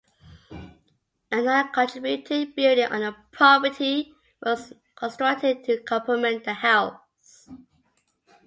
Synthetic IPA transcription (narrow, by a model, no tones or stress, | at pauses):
ə̃naɪəkʰə̃ntʰɹ̥ɪbjutʰibɪldɪ̃ŋʔə̰̃nəpʰɹɑpətʰi | wɔz | kʰə̃nstɹ̥ʌk̚tʰɪd̚tʰəkʰʌ̃pʰəmɛ̃nðəhɛl | s